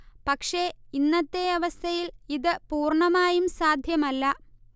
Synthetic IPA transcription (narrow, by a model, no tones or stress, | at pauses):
pɐkʂe̞inːɐt̪ːe̞ɐʋɐst̪ʰɐjiliðɨpuːrɳɐmaːjumsaːd̪ʱjɐmɐlːɐ